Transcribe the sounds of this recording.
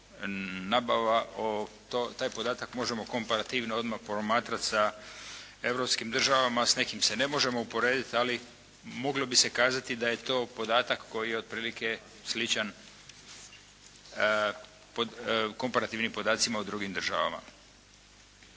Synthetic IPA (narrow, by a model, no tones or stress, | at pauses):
nabaʋao | t̪ot̪aːjpod̪aːt̪akmo̞ʒe̞mo̞ko̞mpaɾat̪iʋnoo̞d̪mapɾomaːt̪ɾat̪sa | e̞ʋɾo̞pskimd̪r̩ʒaʋamasne̞kimse̞ne̞mo̞ʒe̞mo̞upo̞ɾe̞ːd̪it̪ali | mo̞ɡlobise̞kaːzat̪id̪aje̞t̪o̞ːpo̞d̪aːt̪akːo̞jijeo̞d̪̚pɾiːlike̞ | slit͡ʃan | poko̞mpaɾat̪iʋnimpo̞d̪aːt̪simaud̪ɾuɡimd̪r̩ʒa̰ʋa̰ma̰